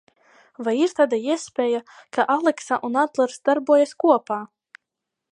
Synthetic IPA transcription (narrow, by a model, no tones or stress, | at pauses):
vajiɾt̪ad̪aiɛspʲɛːjakaʔalˠɛksaʔunad̪lˠɛɾsd̪aɾbuɔjaskuɔpaː